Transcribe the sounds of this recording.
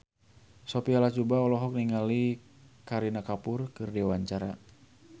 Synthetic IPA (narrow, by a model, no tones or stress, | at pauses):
sopialat͡ʃubaɔlɔɦɔk̚niŋali | kaɾinakapʊrkɨrdiwaɲt͡ʃaɾa